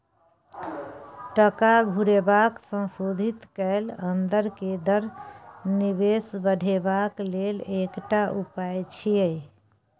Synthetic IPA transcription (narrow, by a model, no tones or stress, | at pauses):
ʈəkaɡʱuɾebaksə̃nsod̪ʱit̪kəɪlənd̪əɾked̪əɾnibesbəɽ̤ʱebaklelekʈaʔupajt͡ʃʰije